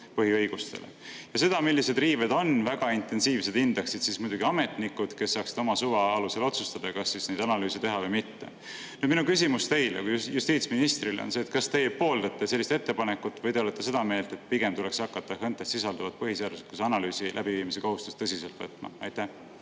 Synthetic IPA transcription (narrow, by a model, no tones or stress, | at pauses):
pɤɦiɤjɡ̥ust̪e̞̰lḛjɑse̞d̪̥ɑmilːise̞d̪riːved̪o̞nvæɡ̥ɑint̪e̞nsiːvse̞d̪ind̪e̞ksit̪sismujd̪uɡiɑme̞t̪nikːud̪̥ke̞sːɑːksi̥d̪̥o̞mɑsuvɑɑluse̞lo̞t̪sust̪ɑd̪̥ɑkɑsːisnejd̪̥ɑnɑlyːset̪e̞ɦɑvɤjmit̪ːe̞̰ | ny̥ːminukys̬imust̪e̞jlḛkujjust̪iːt̪sminist̪ɾileo̰nse̞ːt̪kɑst̪e̞jepo̞ːld̪ɑt̪ːˑe̞se̞lːist̪et̪ːe̞pɑnekːˑut̪ːˑvɤjd̪eolet̪ːe̞se̞d̪̥ɑme̞ːlt̪e̞t̪̚piɡ̥e̞mt̪ule̞ksɑkːˑɑt̪ːɑhɤnt̪ːˑesisɑld̪ɑvɑd̪̥̚pɤɦiseɑd̪̥uset̪kusɑnɑlyːsilʔæb̥iviːmise̞ko̞ɦust̪u̥st̪ɤsise̞lt̪vɤ̰t̪ːˑmɑ̰ɑjt̪ːæh